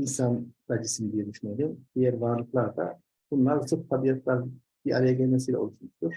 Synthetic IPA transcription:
insanbad͡ʒisinid̪ijɛd̪yʃyneeɾʲimd̪̥ijæɾvaɾlˠɯklˠaɾd̪a̰ | b̥unlˠaɾt͡ʃʰop̚t̪ʰabijat̪ʰlʲˠaɾ | b̥iʔa̰ɾajaɟɛlʲmɛsiːlʲɛ̰olˠuʃmuʃt̪uɾ̥

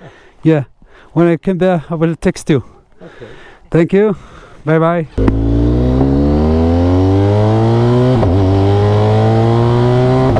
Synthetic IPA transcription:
jæ | wə̃naɪkʰʌ̃mðɛawʌltʰɛkstju | θæ̃ŋkjubaɪbaɪ

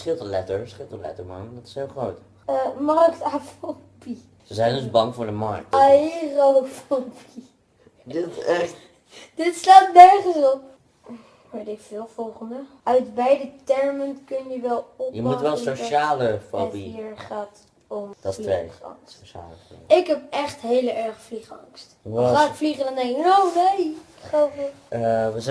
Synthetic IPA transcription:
sχɪlˠtəlɛtəɹsχɪlˠtəlɛ̰təɹmɔ̰ŋdɑtɪ̥shɪlˠχrowt | əmɑrktafobi | səzɛjndəsbɑŋvʊːɹdəmɑ̰ɹk̚taɑlofobi | dɪtɛt | d̥ɪtslaːtnɛɹχənsɔp̚ | ʋetɪkfɪːlˠv̥ɔlˠχəndə | œɥtbɛjdətɛɹməntkɵnjəʋɛlˠɔpjəmutʋɛlˠsoʃaːləfɔ̰biiɹχaːt | ɔmdɔḛχɑ̰ŋsa̰ːlə̰ɪkɦɛp̚ɛχtɦejləɛɹχəfliχɑ̰ŋstaːɪkfliχədɔndɛŋkɪknownejɪkχovə | ʋə

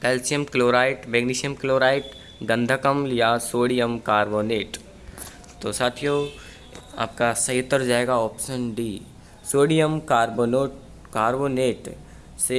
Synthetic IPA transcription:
kɐlsijəmkloːɾaːɪʈmeɡniːʃijəmkloːɾaːɪʈ | ɡɐ̃nd̪ʱəkəmjasoːɽijəmkaːɾboːneːʈ | t̪osaːt̪ʰijoː | a̰ːp̚kasɐɦɪt̪ːəɾd͡ʒaːeːɡaɔːpʃənɖiː | soːɽijəmkaːɾboːnoːʈ | kaːɾboːneːʈ | se

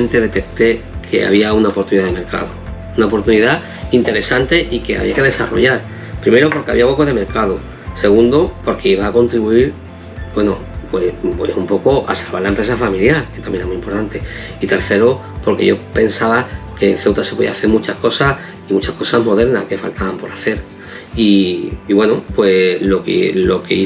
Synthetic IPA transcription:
nt̪e̞ðe̞t̪e̞k̚t̪e̞ | kʰe̞̰a̰βiaunaopo̞ɾt̪uniðaðeme̞ɾka̰ðo | unaopo̞ɾt̪uniða | int̪e̞ɾe̞sant̪e̞ʔike̞a̰βḭake̞ðesa̰ro̞̰ʝaɾ | pɾimeɾopo̞ɾkeaβiaɣokoðe̞me̞ɾkaðo | se̞ɣund̪opo̞ɾkeiβaːko̞nt̪ɾiβuiɾ | bwe̞no | pwepwḛsumpo̞koʔa̰salβaɾlaempɾe̞s̬afamiljaɾke̞t̪amjeemuimpo̞ɾt̪ant̪e̞ | it̪e̞ɾθe̞ɾo | po̞ɾke̞̰ʝope̞nsaβake̞ːnθe̞wt̪asepoðḭaθeɾmũt͡ʃahko̞sa | imut͡ʃahko̞saɦmo̞ðe̞ɾnahke̞fa̰lt̪aβampo̞ɾaθe̞ɾ | iːβwe̞nopwe̞lo̞kḛlo̞ke̞̰i

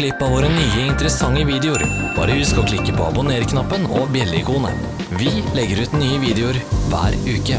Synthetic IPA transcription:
lɪpːɑʋoːɾənyːəɪnt̪əɾəsɑŋːəʋiːd̪ɛʊɾ | b̥ɑ̰ːɾəjʉskɑɔkʰlɪkːəpʰɔːɑ̰bʊneːɾkʰnɑpːənɔbjɛlːɪɪkʰuːnə̰ | ʋɪlɛɡəɾʉːt̪nyːəʋiːd̪ɛʊɾʋæ̰ːɾʉːkə

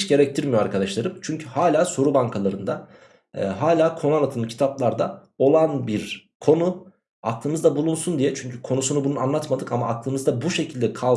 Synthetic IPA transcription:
t͡ʃɟe̞ɾɛc̚t̪ʰiɾmijoaɾkʰad̪aʃlˠaɾɯmt͡ʃʰyɲcʰyhaːlʲaːso̞ɾubaŋkʰalˠaɾɯnd̪a̰ | ɦaːlʲaːkʰo̞nalˠat̪ʰɯlɯcʰi̥t̪ʰaplˠaɾd̪a | o̞lˠanbiɾ | kʰo̞nu | ak̚lˠɯːnɯzd̪abulˠunsund̪ijɛt͡ʃʰyɲcʰykʰo̞nusunubunuanlˠat̪mad̪ɯkamaːklˠɯːnɯzd̪abuʃe̞cʰilʲd̪ɛkʰa

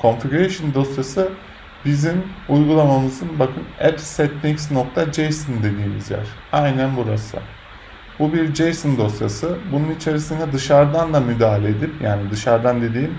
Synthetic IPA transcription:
kʰo̞nfiɡyɾejʃɯnd̪o̞sjasɯ | bizinujɡulˠamamɯzɯnbakʰɯnɛpsɛt̪nʲiksnok̚t̪ʰad͡ʒejsond̪e̞d̪iːmḭzjæ̰ɾ̥ajnænbuɾasɯ̰ | bubiɾd͡ʒejsond̪o̞sjasɯbununit͡ʃʰeɾisind̪ɛd̪ɯʃaɾd̪and̪amyd̪aːɦalʲed̪ipjaːnid̪ɯʃaɾd̪and̪e̞d̪iːm

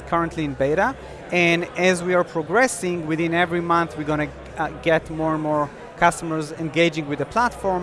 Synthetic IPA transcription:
kʰaɹə̃ntʰliɪ̃nbeɪɾa | ɛ̃ndɛzwiaɹpʰɹɔɡɹɛsɪ̃ŋwɪðɪ̃nɛvɹimãnθwiɡɔ̃nɨ | ɡɛtmɔɹɛ̃nmɔɹ | kʰastəməɹzɛ̃nɡeɪd͡ʒɪ̃ŋɡwɨðəpʰlatfɔɹ

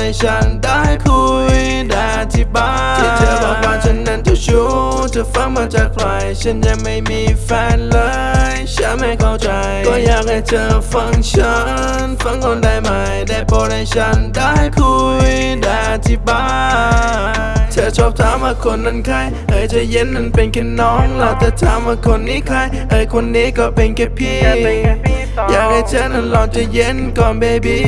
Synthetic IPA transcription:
ajt͡ɕʰanɗaːhajkʰuj | ɗaʔat̪ʰiɓaːt͡ɕʰit͡ɕəːbaːmaːt͡ɕʰənːant͡ɕat͡ɕu | t͡ɕəfaŋmaːt͡ɕakkʰlaːjt͡ɕənɲaŋmajmiːfɛːnləː | jt͡ɕanmajkʰaːwt͡ɕajk̪ɔjaːk̚laːjt͡ɕəːfaŋt͡ɕʰə | nfaŋkɔnɗajmajɗapɔːnajt͡ɕʰanɗaːjkʰuj | ɗaː | t̪ʰiɓaː | t͡ɕəːt͡ɕop̚t̪ʰaːmʔaːkʰonnənkʰaj | həːjt͡ɕajennənpenkinɔːŋlaːt͡ɕət̪ʰamʔaːkʰonːikʰaj | ʔəːjkʰonːikɔːpenkepʰi | jaːk̚hajt͡ɕənənlɔnt͡ɕəjenkɔːnɓebi

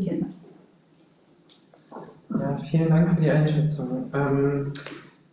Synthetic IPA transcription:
tʰinas | jaːfiːləndaŋkfyːɐdiːʔaɪnʃɛt͡sʊŋʔɛːm

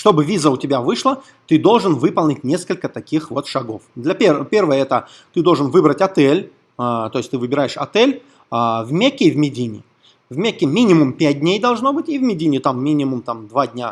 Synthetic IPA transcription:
ʂt̪o̞bɨvʲizəʊtʲɪbʲavɨʂlˠə | t̪ɨd̪o̞lˠʐɨnvɨpəlˠnʲɪtʲnʲe̞skəlʲkət̪ɐkʲixvo̞t̪ʂɐɡo̞fd̪lʲɐpʲepʲe̞rvəjəɛt̪ə | t̪ɨd̪o̞lˠʐɨnvɨbɾətʲɐt̪ɛlʲ | t̪oɪsʲt̪ɨvɨbʲɪɾaɪʂɐ̰t̪ɛlʲ | avmʲekʲːɪvʲmʲɪdʲinʲɪ̰ | vmʲekʲːɪmʲinʲɪmʊmpʲæt̚ʲdʲnʲejd̪ɐlˠʐno̞bɨtʲɪvmʲɪdʲinʲɪt̪amːʲinʲɪmʊmt̪amd̪vadʲnʲa

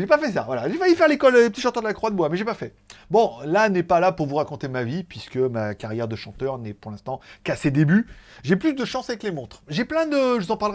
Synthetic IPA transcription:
ʒepafɛs̬avwalaʒefajyfɛʁlekɔllep̬ət̪iʃɑ̃t̪œʁd̪əlakχwad̪əbwamɛʒepafɛ | bɔ̃lanɛpalapuʁvuʁakɔ̃t̪emavipɥiskəmakaʁjɛʁd̪əʃɑ̃t̪œʁnɛpuʁlɛ̃st̪ɑ̃kased̪ebyʒeplysd̪əʃɑ̃saɛklemɔ̃t̪χʒeplɛ̃d̪əʒəvuzɑ̃paʁlʁɛ

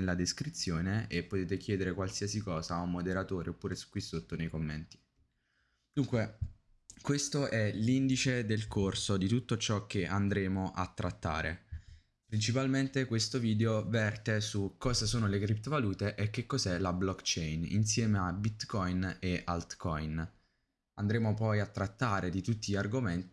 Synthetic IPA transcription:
elːad̪eskɾit̪sːjoːneepːot̪eːt̪ekjɛːd̪eɾekwalsiːasikɔːzaumod̪eɾat̪oːɾeopːuːɾesu̥kːwisot̪ːonejkomːent̪i̥ | d̪uŋkwe | kwest̪oʔɛlind̪it͡ʃed̪elkʰorsod̪it̪ut̪ːot͡ʃɔk̟ːeʔand̪ɾeːmoʔa̰t̪ːɾat̪ːa̰ːɾʔḛ | pɾint͡ʃipalment̪ekwest̪oviːd̪eovɛrt̪esukːɔːzasoːnolekɾip̚t̪ovaluːt̪eʔek̟ːekːozɛlablɔkt͡ʃɛjnḭnsjɛːmeabit̪kɔjneʔa̰lt̪kɔjn | and̪ɾeːmopɔjat̪ːɾat̪ːaːɾed̪it̪ut̪ːiʎarɡoment̪

